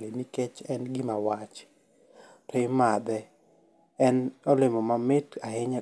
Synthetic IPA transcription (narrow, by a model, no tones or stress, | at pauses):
liniket͡ʃɛnɡɪmawat͡ʃ | tɔɪmad̪ɛ | ɛnɔlɪmɔmamɪtaɦɪɲa